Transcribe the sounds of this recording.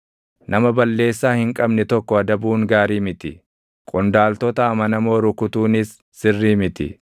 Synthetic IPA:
nʔɐmɐbɐlːe̞ːsːaːhɪŋkʼɐbnɛt̪ɔkːɔɐd̪ɐbuːŋɡaːɾiːmɪt̪ɪ | kʼʊnd̪aːlt̪ɔt̪ɐːmɐnɐmo̞ːɾʊkʊt̪uːnɪsːɪrːiːmɪt̪ɪ̰

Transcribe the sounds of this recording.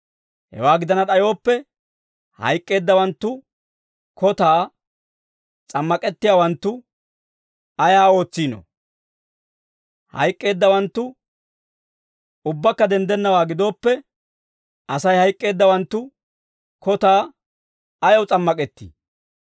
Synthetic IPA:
hɛ̰waːɡɪd̪ɐnɐɗɐjo̞ːpːɛ | hɐ̰jkʼːe̞ːd̪ːɐwɐnt̪ːʊ | kɔt̪aː | t͡sʼɐmːɐkʼɛt̪ːɪjaːwɐnt̪ːʊ | ɐjaːo̞ːt͡sːiːno̰ | hɐ̰jkʼːe̞ːd̪ːɐwɐnt̪ːʊ | ʊbːɐkːɐd̪ɛnd̪ɛnːɐwaːɡɪd̪o̞ːpːɛ | ɐsɐjhɐjkʼːe̞ːd̪ːɐwɐnt̪ːʊ | kɔt̪aː | ɐjɐwt͡sʼɐmːɐkʼɛt̪ːḭ

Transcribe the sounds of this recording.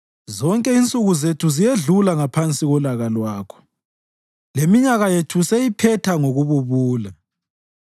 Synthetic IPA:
zɔŋkʼɛint͡sʼuɣuzetʰuzijeɮulaŋapʰant͡sʼiɣɔlaɣalwaːkʰɔ̥ | lemiɲaɣajetʰusejipʰɛtʰaŋoɣuβuβuːla

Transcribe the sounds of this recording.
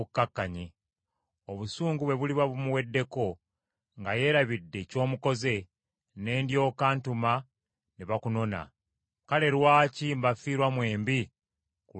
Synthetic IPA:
ukːakːaɲi | oβusuːŋɡuβwe̞βuliβaβumuwe̞dːe̞ko̞ | ŋɡaje̞ːɾaβidːe̞co̞ːmuko̞ze̞ | ne̞ːndjo̞ːkaːntuma | neβakuno̞na̰ | kale̞ɾwaːcimbafiːɾwamwe̞ːmbi | ku

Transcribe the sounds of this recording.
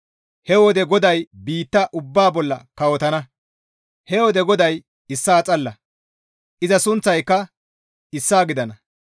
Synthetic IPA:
hɛwɔd̪ɛɡɔd̪ɐjbiːt̪ːɐʔʊbːaːbɔlːɐ̰kɐwɔt̪ɐnɐ | hɛwɔd̪ɛɡɔd̪ɐj | ɪsːaːt͡sʼɐlːɐ | ʔɪzɐsʊnt͡sːɐjkːɐ | ɪsːaːɡɪd̪ɐnɐ

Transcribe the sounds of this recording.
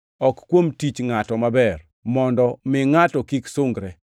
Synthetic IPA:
ɔkkwomtit͡ʃŋatɔmabɛr | mɔndɔmɪŋatɔkiksoŋɡɾɛ

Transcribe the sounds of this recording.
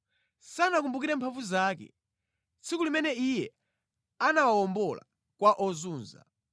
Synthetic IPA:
sanak̬umbukiɾɛmpʰaɱvuzaːkɛ̰ | t͡sʰikulimɛnɛijɛ | anawawɔmbɔla̰ | kwaʔɔzuːnza̰

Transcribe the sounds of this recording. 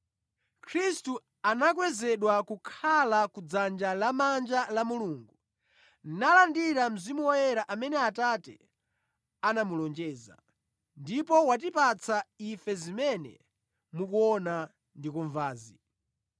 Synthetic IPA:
kʰɾistu | anak̬wɛzɛɗwakukʰalakud͡zand͡ʒalamand͡ʒalamuluːŋɡu | nnalandiɾam̩zimuwɔjɛɾaʔamɛnɛatatɛ̰ | anamulɔnd͡ʒɛːza̰ | ndipɔwat̬ipat͡sʰaifɛzimɛnɛ̰ | mukuɔna | ndikuɱvaːzi

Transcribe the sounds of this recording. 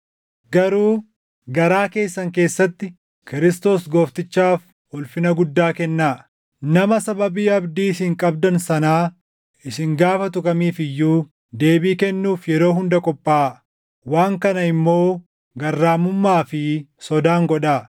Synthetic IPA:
ɡɐɾuː | ɡɐɾaːke̞ːsːɐŋke̞ːsːɐt̪ːɪ | kɪɾɪst̪o̞ːsɡo̞ːft̪ɪt͡ʃːaːf | ʊlfɪnɐɡʊd̪ːaːkɛnːaː | nɐmɐsɐbɐbiːɐbd̪iːsɪŋkʼɐbd̪ɐnsɐnaː | ɪsɪŋɡaːfɐt̪ʊkʼɐmiːfɪjːuː | d̪e̞ːbiːkɛnːuːfjɛɾo̞ːɦʊnd̪ɐkʼɔpʼːaː | waːŋkɐnɐɪmːo̞ː | ɡɐrːaːmʊmːaːfɪsɔd̪aːŋɡɔᶑaː

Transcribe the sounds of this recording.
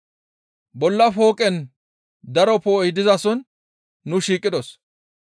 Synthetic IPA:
bɔlːɐfo̞ːkʼɛn | d̪ɐɾɔpojɪd̪ɪzɐsɔnː | ʊʃiːkʼːɪd̪ɔs

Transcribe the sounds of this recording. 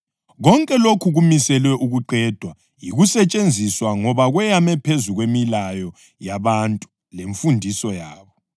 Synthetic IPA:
ɣɔŋkʼɛlokʰuɣumisɛlwɛʔuɣuǃɛːd̥ʱwa | jiɣusɛt͡ʃʼend͡zʱiswaŋɔβaɣwɛjamɛpʰezuɣwemilajɔ | jaβantʼu̥ | leɱfundʱisɔjaːβɔ

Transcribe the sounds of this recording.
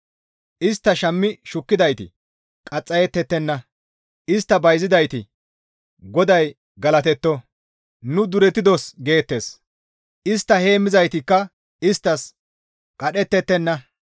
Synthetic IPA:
ʔɪst̪ːɐʃɐmːɪʃʊkːɪd̪ɐjt̪ɪ̰ | kʼɐt͡sʼːɐjɛt̪ːɛt̪ːɛnːɐ | ɪst̪ːɐbɐjzɪd̪ɐjt̪ɪ | ɡɔd̪ɐj | ɡɐlɐt̪ɛt̪ːɔ | nʊd̪ʊɾɛt̪ːɪd̪osɡe̞ːt̪ːe̞s | ʔɪst̪ːɐhe̞ːmːɪzɐjt̪ɪkːɐ | ɪst̪ːɐs | kʼɐɗɛt̪ːɛt̪ːɛnːɐ

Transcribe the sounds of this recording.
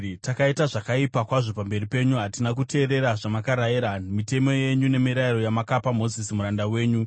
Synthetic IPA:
takaitaʐakaipakwaʐo̞pambe̞ɾipe̞ɲuɦatinak̬ute̞ːɾe̞ɾaʐamakaɾajiɾamite̞mo̞je̞ɲune̞miɾaiɾo̞jamakapamo̞zisimuɾandawe̞ːɲu

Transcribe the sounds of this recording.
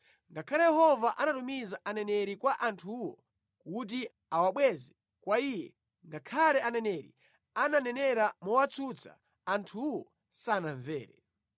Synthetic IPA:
ŋɡakʰalɛjɛhɔvaʔanatumizaʔanɛnɛɾikwaʔantʰuːwɔ̰ | kut̬i | awaɓwɛzɛ | kwaijɛ | ŋɡakʰalɛʔanɛnɛɾḭ | ananɛnɛɾamɔwat͡sʰut͡sʰa̰ | antʰuwɔ | sanaɱvɛːɾɛ

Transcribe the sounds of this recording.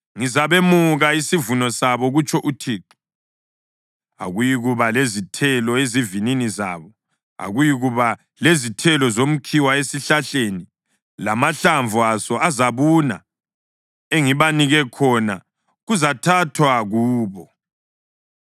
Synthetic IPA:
ŋizaβemuɣaisivunɔsaβɔɣut͡ʃʰʼɔʔutʰiːǁi̥ | a̰ɣujiɣuβalezitʰɛlɔezivininiza̰ːβɔ | a̰ɣujiɣuβa | lezitʰɛlɔzom̩kʰiwaesiɬaɬeni | lamaɬaɱvʱuasɔazaβuna̰ | eŋiβaniɣɛkʰɔna | ɣuzatʰatʰwaɣuːβɔ

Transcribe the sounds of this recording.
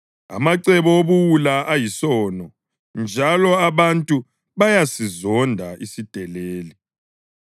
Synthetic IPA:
a̰maǀɛβɔoβuwulaʔajisɔːnɔ | nd͡ʒʱalɔaβantʼu | βajasizɔndʱaisid̥ʱɛleːli

